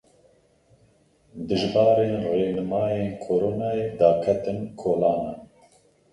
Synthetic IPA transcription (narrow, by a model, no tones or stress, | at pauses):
d̪ɨʒbɑːɾeːnreːnɨmɑːjeːkʰoɾoːnaːjeːd̪aːkʰɛt̪ɨnkʰoːlɑːnan